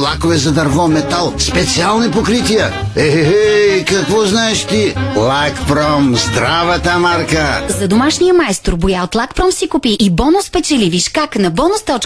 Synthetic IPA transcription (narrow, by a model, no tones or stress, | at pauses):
lˠakovɛzɐd̪ɐɾvɔmɛt̪alˠspɛt̪sialˠnipokɾit̪ijə | ɛɦɛɦɛkɐkvɔznaɛʃt̪ilˠakpɾɔmzd̪ɾavɐt̪əmaɾkəzɐd̪omaʃnijəmaɛst̪ɾbʊjaot̪lˠakpɾɔmsikupiʔːbɔnʊspɛt͡ʃɛliviʃkaknɐbɔnʊst̪ɔt͡ʃ